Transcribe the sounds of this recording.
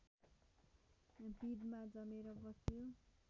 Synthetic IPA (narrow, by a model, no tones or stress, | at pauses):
bid̪mad͡zʌmeɾʌbʌsjo